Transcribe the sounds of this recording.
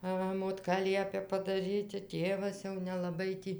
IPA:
ˈʋɐ moːtˈkɐ ˈlʲiɛpʲɛ pɐdɐˈrʲiːtʲɪ ˈtʲeːʋɐs jɛʊ nʲɛlˠɐˈbɐɪ ˈtʲiː

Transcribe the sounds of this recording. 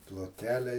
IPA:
plˠoːˈtʲkʲæːlʲɛ

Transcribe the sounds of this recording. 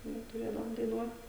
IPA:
ˈnʊ tʊˈrʲeːdɐʋoːm dɐɪˈnuɔt

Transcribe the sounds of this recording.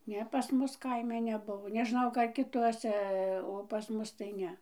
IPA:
ˈnʲɛ pɐs ˈmʊs ˈkɐɪmʲɛ nʲɛˈbʊʋoː nʲɛˈʒnɐʊ ˈkɐ kʲɪˈtuɔsʲɛ oː pɐs ˈmʊs tɐɪ ˈnʲɛ

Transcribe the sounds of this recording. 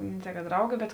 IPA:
nʲɛ tʲɛɪ kɐ ˈdrɐʊɡʲɪ bʲɛt

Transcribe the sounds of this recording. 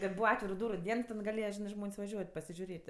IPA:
tʲɛn ˈbuːʋɐ ˈɑːtʲʋʲɪrʊ ˈduːrʊ ˈdʲiɛn ɪ tʲɛn ɡɐˈlʲeːjɛ ˈʒʲɪnɜ ˈʒmoːnʲsʲ ʋɐˈʒʲuɔtʲ pɐsʲɪʒʲʊˈrʲeːtʲ

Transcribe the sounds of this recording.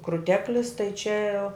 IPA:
krʊˈtʲæːklʲɪs tɐɪ t͡ʃʲɛ

